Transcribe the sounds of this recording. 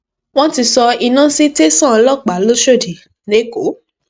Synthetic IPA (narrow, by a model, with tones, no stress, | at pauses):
w̃ɔ̃˦ti˧sɔ˧i˧nã˦si˦te˦sã˦˨˧lɔ˦˨k͡pa˨˦lo˦ʃo˦˨di˨ | ne˨˦ko˨˦